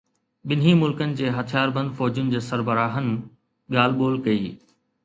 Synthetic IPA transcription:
ɓɪnɦimʊlkənɪ̆d͡ʑeːɦɐt̪ʰijaːɾbɐ̃nd̪fɔːd͡ʑʊnɪ̆d͡ʑeːsɐɾbəɾaːɦənɪ̆ | ɠaːl̤ɓoːlkɐḭː

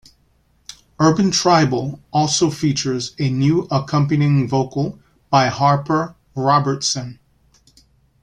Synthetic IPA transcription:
ɜ˞bɨ̃ntʰɹ̥aɪbl̩ˠɔlˠsoʊfit͡ʃə˞zɨnjʉʔəkʰʌ̃mpɨniɪ̃ŋvoʊkl̩ˠ | b̥aɪhɑɹpə˞ | ɹɑbə˞tsɨ̃n

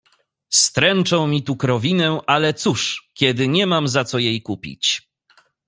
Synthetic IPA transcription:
st̪ɾɛnt͡ʂɔ̃w̃mʲit̪ukɾɔvʲinɛʔalɛt̪suʂkʲɛd̪ɘɲɛmamzat̪sɔjejkupʲḭt͡ɕ

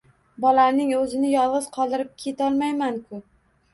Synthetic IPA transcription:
bɒlaɾnɪŋɵzɪnɪjɒlˠʁɨz̥qʰɒlˠd̪ɪɾɪp̚kʲʰe̞t̪ʰɒlˠmajmankʰʊ

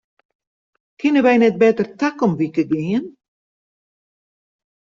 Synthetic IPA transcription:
kʰɪnəʋɛjnɛt̚bɛtərtakɔmʋikəɡɪən

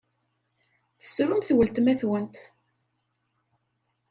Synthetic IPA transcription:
θəsɾʊmθwəlt̪mæθwənt̪

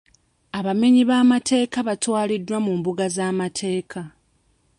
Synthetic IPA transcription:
aβameɲiβaːmate̞ːkaβatwaːlidːwamuːmbuɡazaːmatʰe̞ːkʰa

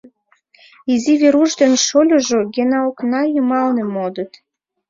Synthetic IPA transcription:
iziβeɾuʃd̪enʃolʲoʒoɡʲenɑoknɑjumɑlnĕmod̪ə̆t̪

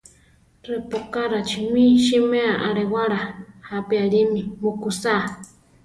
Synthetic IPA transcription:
repokaɾat͡ʃinĩʃimeaʔaɺewaɺahapiaɺimimukusa

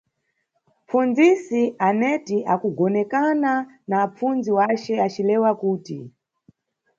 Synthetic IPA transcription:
p͡fund͡zisiʔanɛtiʔakuɡɔnɛkana | naːp͡fund͡ziwat͡ʃɛat͡ʃilɛwakuːtḭ

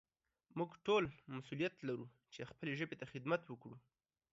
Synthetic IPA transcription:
muɡʈolmasulijat̪laɾu | t͡ʃexpəleʒəbet̪axɪd̪mat̪wəkɽu

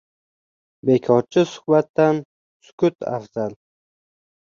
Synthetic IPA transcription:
bekʰɒɾt͡ʃʰɪsʊ̥hbat̪ːan | sʊ̥kʊt̪ʰa̰fz̥al

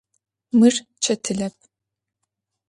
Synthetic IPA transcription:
mɨr | t͡ʃʰɐtʰɨɮɐp̚ʰ

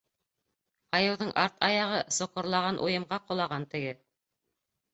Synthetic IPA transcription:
ɑjɤ̆wðɤɴʔɑɾt̪ɑjɑʁɤsŏqŏɾlˠɑʁɑnʔujɤ̆mʁɑqŏlˠɑʁɑnt̪ɘ̆ɡɘ

